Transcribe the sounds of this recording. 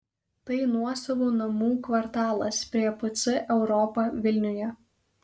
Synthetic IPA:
t̪ɐɪnuɔsɐʋoːnɐmuːkʋɐɾt̪ɑːlˠɐspʲɾʲiɛpʊt̪sɪʔɛʊɾɔpɐʋʲɪlʲnʲʊjɛ

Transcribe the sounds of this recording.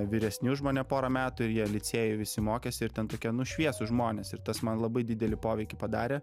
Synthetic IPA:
ʋʲɪɾʲɛsʲnʲuːʒmoːnʲɛpoːɾɐmʲæːt̪ʊɪɾjiɛlʲɪt͡s̪ʲeːjɪʋʲɪsʲɪmoːkʲeːsʲɪɪɾt̪ʲɛnt̪oːkʲɛnʊʃʲʋʲiɛsʊʒmoːnʲeːsɪɾt̪ɐsmɐnlˠɐbɐɪd̪ʲɪd̪ʲɛlʲɪpoːʋʲɛɪkʲɪpɐd̪ɑːɾʲeː

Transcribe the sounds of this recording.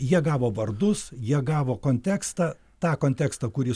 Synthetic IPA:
jiɛɡɑːʋoːʋɐɾd̪ʊsjiɛɡɑːʋoːkoːnʲt̪ʲæːkst̪ɑː | t̪ɑːkoːnʲt̪ʲæːkst̪ɑːkʊɾʲɪ

